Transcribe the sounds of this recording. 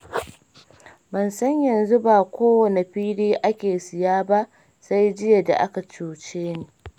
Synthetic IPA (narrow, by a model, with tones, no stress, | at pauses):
bɐ˨nsɐ˦ɲjɐ˨nzu˦baː˨kʷʰoː˦wɐ˨ne˨ɸiː˦ɽiː˦ʔa˦kʲeː˨sɪ˨jaː˦ba˦ʔ | sa˦jd͡ʒɪ˦ja˨da̰˨ʔa˦ka˨t͡ʃuː˨t͡ʃeː˦neː˨